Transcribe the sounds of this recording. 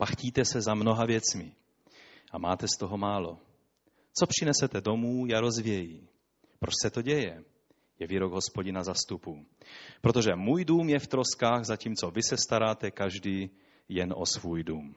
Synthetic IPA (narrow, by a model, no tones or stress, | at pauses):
paxciːt̪ɛsɛzamno̞ɦavjɛt͡smɪ | ʔamaːt̪ɛst̪oɦo̞maːlo | t͡so̞pr̥ɪnɛsɛt̪ɛdo̞muːjaɾo̞zvjɛjiː | pɾosɛt̪o̞ɟɛjɛ | jɛviɾoɡɦo̞spoɟɪnazast̪upupɾot̪o̞ʒɛmuːjduːmjɛft̪ɾoskaːɣzaciːmt͡so̞vɪsɛst̪aɾaːt̪ɛkaʒdi | jɛnʔo̞svuːjduːm